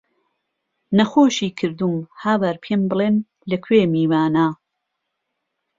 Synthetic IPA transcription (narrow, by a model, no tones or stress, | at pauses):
nɐxoːʃiːkʰɨɾd̪umhaːwaɾpʰembɨleːn | lɐkʰweːmiːwaːnaː